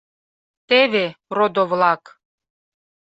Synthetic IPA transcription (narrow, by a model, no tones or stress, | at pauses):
t̪eβerod̪oβlɑk